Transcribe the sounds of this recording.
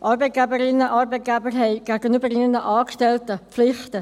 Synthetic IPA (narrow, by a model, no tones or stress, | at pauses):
ʔɑɾbɛɪt̚ɡ̥æbəɾɪnːəʔɑɾbɛɪt̚ɡ̥æbəɾɦɛɪɡ̥æɡ̥ənybəɾiʁnəʔɑːkʃtɛltəflɪχtə